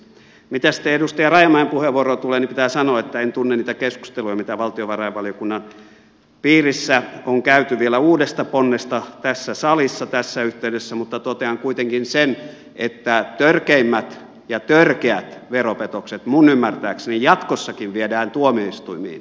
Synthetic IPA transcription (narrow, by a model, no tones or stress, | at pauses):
mit̪æsi̥t̪ːˑeedust̪ɑjɑrɑjɑmɑempuheʋuorot̪uleːnipit̪æːsɑnoɑet̪ːæent̪unːeniːt̪ækesku̥st̪elujɑmit̪æʋɑlt̪ioʋɑrɑjɑʋʋɑlijokunːɑn | piːrisːæoŋkæyt̪yʋielæuːdest̪ɑponːest̪ɑt̪æsːæsɑlisːɑt̪æsːæyht̪eydesːæmut̪ːɑt̪ot̪eɑŋkuit̪eŋkinsen | ʔet̪ːæt̪ørkeimːæt̪ | jɑt̪ørkeæt̪ʋeropet̪okset̪munymːært̪æːksenijjɑt̪kosːɑkiʋʋiedæːnt̪uomioist̪uimḭːn